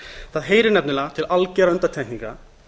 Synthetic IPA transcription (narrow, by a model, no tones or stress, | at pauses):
θaðɦejɾɪnɛpnɪlat̪ʰɪlalcɛɾœnt̪at̪ʰɛiŋka̰